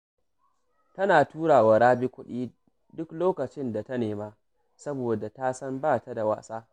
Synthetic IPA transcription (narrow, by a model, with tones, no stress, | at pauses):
tɐ˦naː˨tuː˦ɽaː˨wa˨ɾaː˦bi˦kʷʊ˦ɗiː˦ | dʊ˦kloː˦kɐ˨t͡ʃɪ˦nda˨tɐ˦neː˨maː˦ | sɐ˦boː˨da˨ta˦sɐ˦mbaː˦˨ta˦da˨wa̰ː˦saː˦